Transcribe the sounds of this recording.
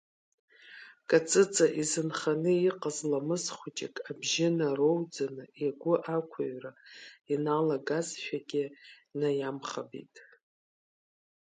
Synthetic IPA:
kʼat͡sʼɨt͡sʼaʔizɨnχanɨiqʼazlamɨsχʷʊt͡ʃʼɪ̰kʼabʒɪnarowd͡zanɨiɡʷʊʔakʷʰaɥrainalaɡazʃʷᶣaɡʲɪnajamχabḭtʼ

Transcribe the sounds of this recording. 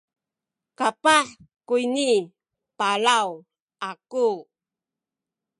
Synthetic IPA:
kapaħ | kuini | palaw | ʔaku

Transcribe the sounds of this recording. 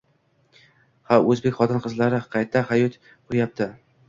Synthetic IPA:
haɵzbe̞kʲχɒt̪ʰɪnqʰɨzlaɾɪqʰɑjt̪ʰahajɒt̪ | qʰʊɾjap̚t̪ʰɪ

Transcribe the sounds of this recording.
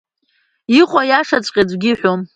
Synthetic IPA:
iqʷʼajaʂat͡sʷʼqʲʼad͡zʷɡʲɪħʷᶣom

